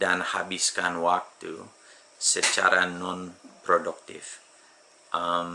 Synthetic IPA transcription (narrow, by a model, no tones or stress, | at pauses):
danhabiskanwak̚t̪ṵ | sət͡ʃa̰ɾanɔnpɾoduk̚t̪ḭf | ʔam